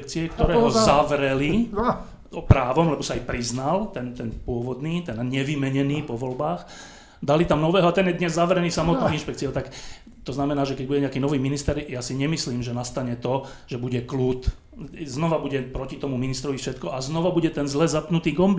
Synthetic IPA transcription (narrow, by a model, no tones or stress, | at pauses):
kt͡siɛk̚t̪ɔɾɛːɦɔzaʋɾɛli | pɾaːʋɔmlɛbɔsaːjpɾiznalt̪ɛnt̪ɛnpʊɔʋɔd̪niːt̪ɛnɲɛʋimɛɲɛniːpɔʋɔlbaːx | d̪alit̪amnɔʋɛːɦɔat̪ɛnjɛd̪ɲɛzːaʋɾɛniːsamɔt̪̚nɔinʃpɛkt͡sijɔʊt̪ak | t̪ɔznamɛnaːʒɛkɛɟ̚buɟɛɲɛakiːnɔʋiːminist̪ɛɾjasiɲɛmisliːmʒɛnast̪aɲɛt̪ɔ | ʒ̥ɛbuɟɛklut̪ | znɔʋabuɟɛpɾɔcit̪ɔmuminist̪ɾɔʋifʃɛt̪kɔʔaznɔʋabuɟɛt̪ɛnzlɛzapnut̪iːɡɔmbi